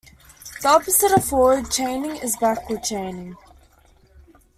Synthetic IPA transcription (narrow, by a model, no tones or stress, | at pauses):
ðiɑpəsɪɾəfɔwəd̚t͡ʃʰẽɪ̃nɪ̃ŋɪzbakwət͡ʃʰẽɪ̃nɪ̃ŋ